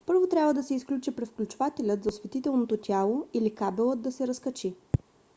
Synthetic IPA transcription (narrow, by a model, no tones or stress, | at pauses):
pɤɾvot̪ɾʲabvəd̪ɐsɛisklʲut͡ʃipɾɛt̪fklʲut͡ʃʊvat̪ɛlʲət̪zɐsvɛt̪it̪ɛlˠnot̪ot̪ʲjalˠoilikabɛlˠət̪̚d̪ɐsɛɾɐskɐt͡ʃi